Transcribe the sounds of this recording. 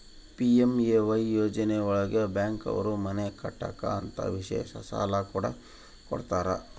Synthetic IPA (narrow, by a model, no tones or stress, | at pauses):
piemeʋɐjjoːd͡ʒɐneɔɭɐɡebjaːŋkɐ̰ʋɐ̰ɾumɐnekɐʈːaːka̰ɐnt̪ɐ̰ʋiʂḛːʃɐsa̰ːlakuːɽɐ | kɔɽt̪aːɾɐ